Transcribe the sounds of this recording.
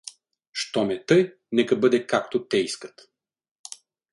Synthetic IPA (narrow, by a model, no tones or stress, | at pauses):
ʃt̪ɔmɛt̪ɤj | nɛkɐbɤd̪ɛkakt̪ot̪ɛiskət̪